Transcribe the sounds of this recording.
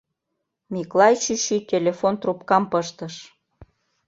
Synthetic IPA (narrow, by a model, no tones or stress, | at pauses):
miklɑjʃiʃikʲelʲefont̪rupkɑmpəʃt̪əʃ